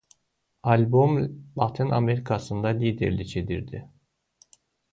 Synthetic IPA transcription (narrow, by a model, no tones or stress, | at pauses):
alʲbomlˠat̪ʰinʔa̰me̞ɾikʰasɯnd̪alʲiːd̪eɾlʲit͡ʃʰe̞d̪ḭɾd̪ɪ